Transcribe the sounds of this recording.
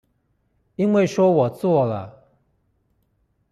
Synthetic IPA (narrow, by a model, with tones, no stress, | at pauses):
i˦nwe˥˨ɪʂwɔ˥wɔ˨˩t͡swɔ˥˨lə̰˨